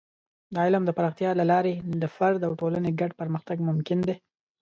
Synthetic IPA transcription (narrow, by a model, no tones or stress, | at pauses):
d̪ɑɪləmd̪əpaɾɑxt̪jɑlalɑɾed̪əfaɾd̪awʈolaneɡaɖpəɾməxt̪aɡmʊmkɪnd̪e